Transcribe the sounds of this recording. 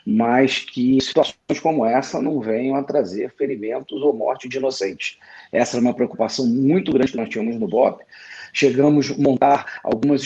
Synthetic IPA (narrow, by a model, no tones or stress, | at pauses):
mɐjskʰɪsi̥t̪uasõj̃skõmʊɛsɐnɐ̃w̃vẽj̃ɐ̃w̃at̪ɾazeɾfeɾimẽnt̪ʊzowmɔ̰ɾt͡ʃɪd͡ʒiinosẽnt͡ʃɪ̥ɛsɐɛũmɐpɾeokupasɐ̃w̃mũj̃t̪ʊɡɾɐ̃d͡ʒɪkɪnɔst͡ʃĩɲɐmʊznʊbɔpʃeɡɐ̃mʊzmõnt̪aɾa̰wɡũmɐzi